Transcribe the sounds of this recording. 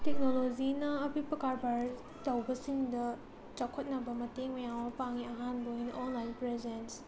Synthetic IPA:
tek̚nolozinɐːpipɾɐkaɾbaɾ | tɐwbɐsiŋdɐ | t͡ʃakʰot̚nɐbɐmɐteŋmɐjawmɐpaŋiɐɦanbɐojnɐʔonlajnpɾezens

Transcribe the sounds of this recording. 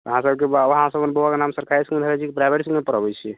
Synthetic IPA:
əɦãsəbkebaʋɦãsəbənbəwakenamsəɾkʰaɾisd̪ʱəlɛt͡ʃʰikepɾajbʱeʈismepəɾəbɛt͡ʃʰi

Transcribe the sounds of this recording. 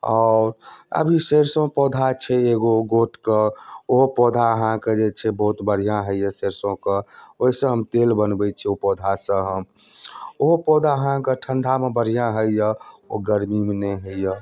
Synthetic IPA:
ɔɾə̰bʱiseɾsõpɔd̪ʱat͡ʃʰɛeɡoɡoʈkeoɦopɔd̪ʱaəɦãked͡ʒet͡ʃʰɛbɔɦut̪bəɽ̤ijãɦəjəseɾsõkəoɦisə̃ɦəmt̪elbənbɛt͡ʃʰɛopɔd̪ʱasə̃ɦəm | oɦopɔd̪ʱaəɦãkeʈʰəɳɖʱamebəɽ̤ijãɦəjjəo̰ɡəɾmimeneɦəjə

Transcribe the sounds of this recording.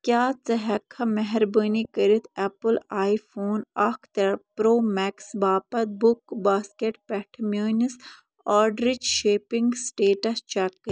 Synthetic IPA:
kʲjaːt͡sɐɦɐkʰːɐmɛɦɛɾbəːnikɐɾit̪ʰɛpəlaːifʰoːnɐkʰt̪ɐɾpɾoːmɛksbaːpɐt̪̚bʊkbaːskeʈpɛʈʰɐmoːnis | aːɖɾit͡ʃʃeːpiŋɡsʈeːʈɐst͡ʃɛkː

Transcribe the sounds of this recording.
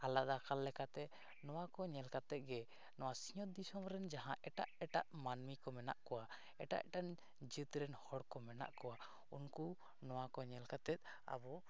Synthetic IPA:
alaʔd̪akalːɛkat̪ɛ | nɔwakɔɲɛlkat̪ɛt̪̚ɡɛ | nɔwasiɲɔt̪̚d̪isɔmɾɛnd͡ʒaɦãʔɛʈaʔɛʈaʔmanmikɔmɛna̰ʔkɔwa | ɛʈa̰ʔɛʈan | d͡ʒɨt̪ɾɛnhɔɽkɔmɛna̰ʔkɔwa | unku | nɔwakɔɲɛlkat̪ɛt̪̚ˀ | a̰bɔ

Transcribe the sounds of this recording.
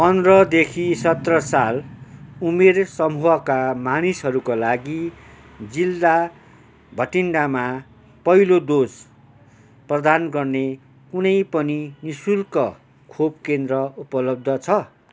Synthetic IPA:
pʌndrʌd̪ekʰisʌt̪rʌsalumersʌmuɦʌkamanisɦʌɾukolaɡi | d͡zilːa | bʱʌʈiɳɖama | pʌilod̪os | prʌd̪anɡʌrne | kunʌjpʌninisulkʌ | kʰob̚kend̪rʌupʌlʌb̚d̪ʱʌt͡sʰʌ

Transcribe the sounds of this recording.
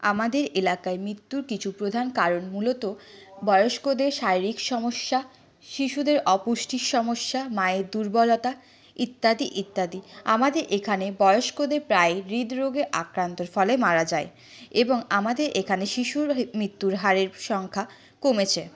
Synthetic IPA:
amad̪eɾelakaemɾit̪ːuɾkit͡ɕʰupɾod̪ʱankaɾonmulot̪o | bɔeoʃkod̪eɾʃaɾiɾikʃɔmoʃːa | ʃiʃud̪eɾɔpuʃʈʰikʃɔmoʃːamaed̪uɾbɔlot̪a | it̪ːad̪iʔit̪ːad̪iamad̪eɾʔekʰanebɔjoʃkod̪eɾpɾaeɾid̪ɾoɡeʔakɾant̪oɾfɔlemaɾad͡ʑae | eboŋamad̪eɾʔekʰaneʃiʃuɾmɾit̪ːuɾɦaɾeɾʃɔŋkʰa | komet͡ɕʰe

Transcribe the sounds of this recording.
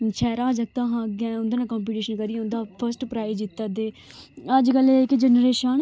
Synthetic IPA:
t͡ʃʰɛːɾãːd͡ʒək̚t̪ãːɦãːɡãːʊnd̪eːnãːkɔ̃ːmp̬iːʈiːʃənkəɾĩːʊ̃nd̪aːpʰəɾsʈpɾaːɪd͡ʒɪt̪ːad̪eːəd͡ʒkəlɪkd͡ʒənɾeːʃən

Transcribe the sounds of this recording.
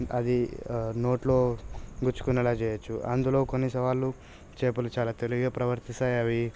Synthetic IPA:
ɐ̰d̪ino̞ːʈlo̞ːɡuɾt͡ʃu̥kunɛlaːt͡ʃɛːjɐt͡ʃːuʔɐ̰nd̪ulo̞ːkonːisɐʋaːlːu | t͡ʃeːpɐlut͡ʃaːlaːt̪eliɡɡaːpɾɐʋɐɾt̪isaːjɐʋi

